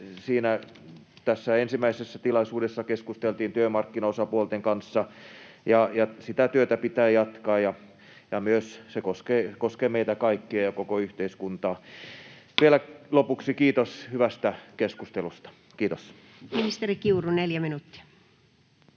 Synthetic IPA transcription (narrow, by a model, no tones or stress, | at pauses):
siːnæ | t̪æsːæensimːˑæisesːæt̪ilɑisuːdesːɑkeskust̪elt̪iːnt̪yømɑrkːinɑosɑpuolt̪eŋkɑnsːɑ | jɑjɑsit̪æt̪yøt̪æpit̪æːjɑt̪kɑːjɑ | jɑmyøssekoskeːkoskemeit̪ækɑikːiɑjɑkokoyht̪eiskunt̪ɑː | ʋielælopuksikiːt̪oshyʋæst̪ækeskust̪elust̪ɑ̥ | kiːt̪os | minist̪erikiuruneljæminut̪ːi̥ɑ̥